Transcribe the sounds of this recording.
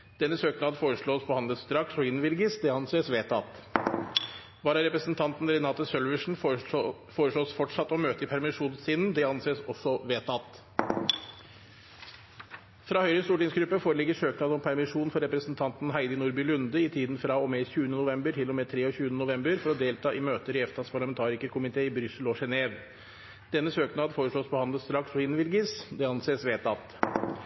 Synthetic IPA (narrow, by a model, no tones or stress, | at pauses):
d̪̥ɛnːəsøːknɑːd̪foːɾəʂɭoːspʰɔhɑnd̪əlsd̪ɾɑksɔɪnʋɪlɡəsd̪ɛɑnseːsʋeːt̪ɑt̪ | ʋɑːɾɑɾɛpɾəsnt̪ʰɑnt̪n̩ɾɛnɑːt̪əsœlʋəʂɳ̩ | foːɾəʂɭoːsfɔʈʂɑt̪ːɔmøːt̪əɪpʰæɾmɪʂuːnsɪːnn̩d̪ɛɑnseːsɔsːɔʋeːt̪ɑt̪ | fɾɑːhœʏɾəst̪uːʈɪŋsɡɾʉpːəfoːɾəlɪɡːəʂøːknɑːd̪ɔmpʰæɾmɪʂuːnfɔɾɛpɾəsnt̪ʰɑnt̪nɦæɪd̪ɪnʊɾbʏlʉnd̪əɪt̪ʰiːd̪n̩fɾɑɔmɛçʉːənənʊʋɛmbəʈʰɪlːɔmɛt̪ʰɾeːɔɕʉːənənʊʋɛmbəɾfɔɾɔd̪eːlt̪ʰɑːʔɪmøːt̪əɾɪɛft̪ʰɑt̪spʰɑɭɑmɛnt̪ʰɑːɾɪkəɾkʰʊmɪt̪ʰeːɪbɾʏsəlɔʂɛneːʋ | d̪̥ɛnːəsøːknɑːd̪foːɾəʂɭoːspɔhɑnəst̪ɾɑksɔɪnʋɪlɡəsd̪ɛɑnseːsʋeːt̪ɑt̪